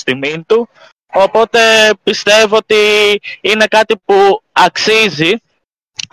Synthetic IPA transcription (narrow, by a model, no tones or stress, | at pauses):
t̪imint̪u | o̞po̞t̪e̞pist̪e̞voot̪iine̞kɐt̪ipuɐksizi